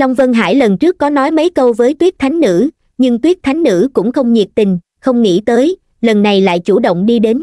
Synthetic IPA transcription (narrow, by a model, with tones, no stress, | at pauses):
la˧wŋ͡mvə˧nɦa̰ː˧˥˩jlə˨˩nt͡ɕɨ˦˥ək̚ːɔ˨˦nɔ˨˦jmə˨˦jkə˧wvəː˨˦jt̪wi˦˥ək̚t̪ʰa˨˦jŋ̟nɨ̰˧˥ | ɲɨ˧ŋt̪wi˦˥ək̚t̪ʰa˨˦jŋ̟nɨ̰˧˥kʊ̰˧˥ŋ͡mxə˧wŋ͡mɲi˨˩ət̚t̪ï˨˩ŋ̟ | xə˧wŋ͡mŋḭ˧˥t̪əː˨˦j | lə˨˩nːa˨˩jla̰ː˧˨jt͡ɕu˧˩ɗo̰˧˨wŋ͡mɗi˧ɗe˨˦n